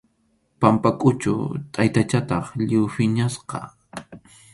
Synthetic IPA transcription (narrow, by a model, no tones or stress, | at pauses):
pampakʼʊt͡ʃʊ̰t̪ʼajt̪at͡ʃat̪ɑχʎɪwfɪɲasqɑ̰